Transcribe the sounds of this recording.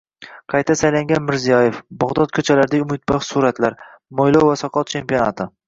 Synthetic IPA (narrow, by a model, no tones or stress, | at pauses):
qʰɑjt̪ʰasajlaŋɡʲanmɪɾzijɒjefbɒʁd̪ɒt̪̚kʰɵt͡ʃʰalaɾd̪aʊmɪt̪̚bɑχsuɾat̪laɾ | mojlˠowvasɒqʰɒt̪̚t͡ʃʰe̞mpionat̪ʰɪ